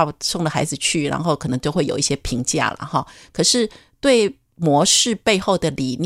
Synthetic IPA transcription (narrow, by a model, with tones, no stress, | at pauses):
sʊ˥˩ŋd̪ə˩xa˧˥ɪd͡zɹ̩˨˩t͡ɕʰy˥˩ɻa̰˧˥nxo˥˧ʊkʰɤ˨˩nɤ˧˥ŋt͡ɕo˥˧ʊxwe˥˩ɪjo˨˩ʊi˥˩ɕjɛ˥pʰi˧˥ŋt͡ɕja̰˥˩lə̰˩xɑ˥˩kʰɤ˨˩ʂɻ̩˥˧ | t̪we˥˩ɪ | mwɔ˧˥ʂɻ̩˥˧pe˥˧ɪxo˥˩ʊd̪ə˩li˨˩n